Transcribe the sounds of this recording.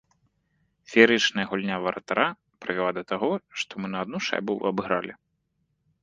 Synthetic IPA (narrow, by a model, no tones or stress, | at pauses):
fʲɛɾɨt͡ʂnɐjɐɣulʲnʲavɐɾɐ̰t̪aɾa | pɾɨvʲɛlˠad̪ɐt̪aɣɔʂt̪ɔmɨnɐːd̪̚nuʂa̰jbuɐbɨɣɾalʲi